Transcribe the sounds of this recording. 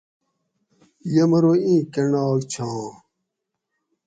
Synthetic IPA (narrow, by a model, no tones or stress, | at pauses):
jɐmɐɾoːĩːkeɳaːɡt͡ɕʰãː